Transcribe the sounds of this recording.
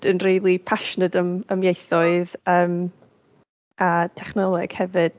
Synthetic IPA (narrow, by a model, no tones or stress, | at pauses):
d̥ənriːlˠipʰaʃnədəməmjejθɔɨðəːm | atʰɛχnɔlˠɛɡ̥hɛvɨd̥